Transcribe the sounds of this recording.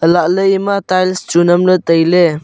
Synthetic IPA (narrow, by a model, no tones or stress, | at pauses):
əlaʔləjmat̪ajlst͡ʃunɐmlət̪əjle